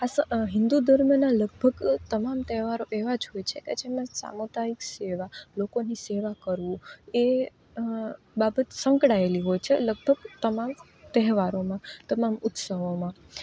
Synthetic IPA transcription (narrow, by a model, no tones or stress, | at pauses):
asəɦɪ̃nd̪ud̪əɾmjənaləɡ̚bʱəɡt̪əmamt̪ɛɦʋaɾoʔeʋad͡ʒɦojt͡ʃʰeked͡ʒemãsa̰mot̪aikseʋalokoniseʋakəɾʋũe | babət̪səŋkɽaeliɦojt͡ʃʰeləɡ̚bʱəɡt̪əmãm | t̪ɛɦʋaɾomãt̪əmamʊt̪səɦomã